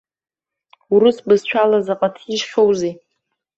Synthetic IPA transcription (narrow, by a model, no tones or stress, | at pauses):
uɾɨsbɨzt͡ʃʷʰalazaqʼatʰiʃχʲowzi